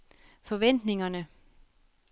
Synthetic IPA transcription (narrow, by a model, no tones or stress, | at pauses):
fɒ̽ʋen̰d̥ne̝ŋɐnə